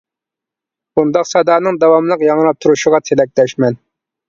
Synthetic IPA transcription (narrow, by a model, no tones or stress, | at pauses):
bund̪ɑqsɑd̪ɑːnɨŋd̪ɑwɑmlˠəqjɑŋlˠɑp̚t̪ʰuɾuʃʊʁɑt̪ʰɪlɛk̚ʲlɛʃmɛn